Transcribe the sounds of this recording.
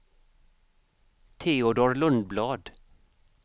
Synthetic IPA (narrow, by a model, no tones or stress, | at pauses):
t̪ʰeːʊd̪oːɹlɵnd̪̚blɑːd̪